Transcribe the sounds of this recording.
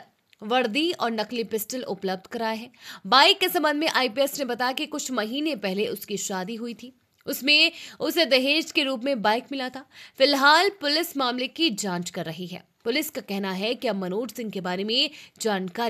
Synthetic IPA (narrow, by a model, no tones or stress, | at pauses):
ʋɐɽd̪iɔːɾnɐqlipɪsʈəlʔʊ̰pləb̚d̪ʱkɐɾaːeɦɛːbaːɪkːesɐ̃mbə̃nd̪mẽʔaːipiɛsnẽbɐt̪aːjakikʊt͡ʃʰmɐɦiːnepɛɦleʔʊskiʃaːd̪iɦʊit̪ʰiː | ʊsmẽʊsed̪ɐɦeːʃʈkeɾuːp̬mẽbaːɪkmɪlat̪ʰafɪlɦaːlpʊlɪsmaːmlekid͡ʒãːt͡ʃkɐɾːɐɦiɦɛ̰ː | pʊlɪskakɛɦnaɦɛkiɐmɐnoːʈsɪ̃ŋɡkebaːɾemẽd͡ʒaːnkaːɾ